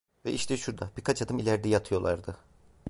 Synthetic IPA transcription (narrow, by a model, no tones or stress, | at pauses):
vɛʔiʃt̪ʰɛʃuɾd̪ab̥iɾkʰat͡ʃʰad̪ɯmilʲæɾd̪ijat̪ʰɯjo̞lˠa̰ɾd̪ɯ